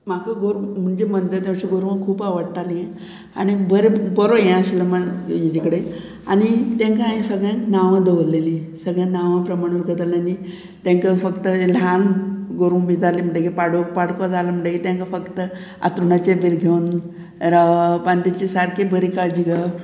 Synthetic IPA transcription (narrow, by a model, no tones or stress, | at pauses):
m̤akaɡoɾm̤əɳd͡ʑemənd͡zət̪̬ãw̃ɕiɡoɾʋãkʰuːpaʋəɽt̪aliẽ | a̰ɽ̃ibəɾebəɾojãɕiləmənjed͡ʑikəɽe | a̰ɽ̃it̪ãŋkaãĩsəɡɭjãnaʋãd̪əʋɾlelĩsəɡɭjãnaʋãpɾəmaɽ̃uɾɡət̪alnani | t̪ãŋkəfəkt̪əlanɡoɾubid͡z̪alim̤əɳɖekipaɽokpaɽkad͡zalam̤əɳʈɖekit̪jãŋkafəkt̪ə | a̰t̪ɾuɳat͡ɕebiɾɡʱeun | ɾapant̪it͡ɕisaɾkebəɾikaɭd͡ʑiɡa